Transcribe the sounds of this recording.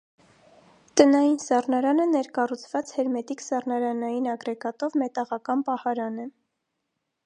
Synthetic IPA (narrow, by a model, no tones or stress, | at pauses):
t̪ənɑjinsɑrnɑɾɑnənɛɾkɑrut͡sʰvɑt͡shɛɾmɛt̪iksɑrnɑɾɑnɑjinɑɡɾɛɡɑt̪ɔvmɛt̪ɑʁɑkɑnpɑhɑɾɑnɛ